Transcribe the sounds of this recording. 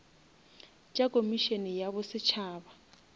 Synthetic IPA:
t͡ʃʼakʼomiʃenɛjaβɔsɪt͡ʃʰaːba

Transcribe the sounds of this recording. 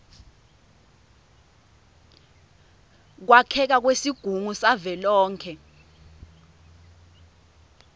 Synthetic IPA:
k̬wakʰɛk̬ak̬wesiɡ̥ʱuŋusavɛlɔːŋkʰɛ

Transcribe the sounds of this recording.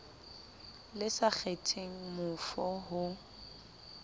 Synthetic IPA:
lɪsak͡xʰetʰeŋ̩mʊfɔɦʊ

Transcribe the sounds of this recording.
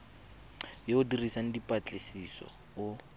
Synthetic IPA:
jeʊdirisaŋ̩dipʼat͡ɬʼɪsisɔ̰ | ʊ

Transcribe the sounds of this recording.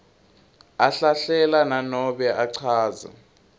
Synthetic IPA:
aɬaɬɛlananɔɓɛʔaǀʰaːza̰

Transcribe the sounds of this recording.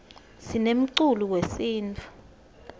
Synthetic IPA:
sinem̩ǀuluwesiːnt͡fʰu̥

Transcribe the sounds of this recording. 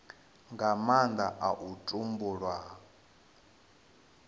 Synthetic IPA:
ŋɡamand̪aʔaʔutʼumbuɺwa

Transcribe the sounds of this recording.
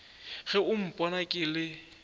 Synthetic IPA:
ɣɛʊm̩pʼɔnakʼɪlɪ

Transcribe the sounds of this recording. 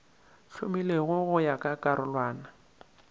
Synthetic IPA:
ɬʊmileɣʊɣʊjakʼakʼaɾʔʊlwaːna

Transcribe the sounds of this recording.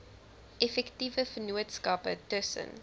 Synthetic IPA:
ʔɛfɛktivəfənuətskɐpətəsə̰n

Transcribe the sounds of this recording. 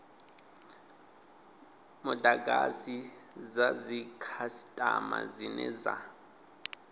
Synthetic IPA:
mɔdaɡasizazikʰasi̥tʼama̰zinɛza

